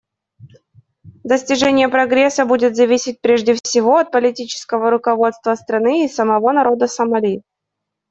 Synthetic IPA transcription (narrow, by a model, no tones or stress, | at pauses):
d̪əsʲtʲɪʐɛnʲɪjəpɾɐɡɾʲesːəbudʲɪt̪zɐvʲisʲɪt̚ʲpɾʲeʐdʲɪfsʲɪvo̞ɐt̪̚pəlʲɪtʲit͡ɕɪ̥skəvəɾʊkɐvo̞t̪st̪vəst̪ɾɐnɨisəmɐvo̞nɐɾo̞d̪əsəmɐlʲi